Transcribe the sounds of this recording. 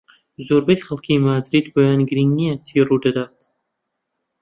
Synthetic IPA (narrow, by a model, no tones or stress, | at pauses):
zoːɾbejχɐlˠkʰiːmaːd̪ɾiːd̪boːjaːnɡɾiŋnijat̪ʰiruːd̪ɐd̪aːt̪